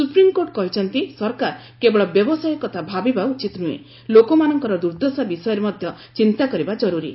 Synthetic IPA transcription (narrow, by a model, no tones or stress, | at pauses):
supɾimkoɾʈ̚kɔɦit͡ʃʰɔnt̪isɔɾkaɾ | kebɔɭɔbjɔbɔsajɔkɔt̪ʰabʱabibaut͡ʃit̪nuḛ | lokomanɔŋkɔɾɔd̪uɾd̪osabisɔjɔɾemɔd̪ʱjɔ | t͡ʃint̪akɔɾibad͡ʒɔɾuɾḭ